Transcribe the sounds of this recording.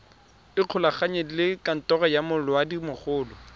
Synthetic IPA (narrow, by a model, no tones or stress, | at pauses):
ɪq͡χʰʊlaχaɲeilɪkʼan̩tʼɔɣɔjamʊlʊwadimʊχʊːlɔ